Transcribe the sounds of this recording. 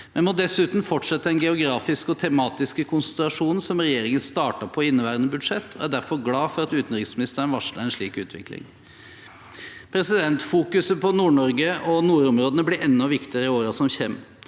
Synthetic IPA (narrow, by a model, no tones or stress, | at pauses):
mɛnmɔd̪ɛsʉːt̪n̩fɔʈʂɛt̪ːəɛnɡɛʊɡɾɑːfɪskɔt̪ʰɛmɑːt̪ɪskəkʰʊnsənt̪ɛlɑʂuːnsɔmɾɛjeːɾɪŋənst̪ɑːʈɑpʰɔɪnːəʋæːɾənəbʉd̪ʂɛt̪ʰːɔæɖæɾfɔɾɡlɑːfɔɾɑt̪ʉːt̪n̩ɾɪksmɪnɪst̪ənʋɑʂlə̰ɾɛnʂɭiːkʉ̰ːt̪ʰʋɪ̰klɪ̰ŋ | pʰɾɛsɪd̪ɛnt̪fuːkʉsəpʰɔnuːɳɔɾɡəɔnuːɾɔmɾoːd̪ənəblɪɾʔɛnːɔʋɪkt̪ɪəɾəɪoːɾɑsɔmçɛm